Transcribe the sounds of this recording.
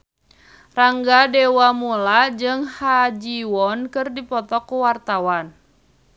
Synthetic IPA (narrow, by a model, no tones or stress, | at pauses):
raŋɡadewamulad͡ʒɨŋhad͡ʒiwɔnkɨrdipɔt̪ɔkuwart̪awan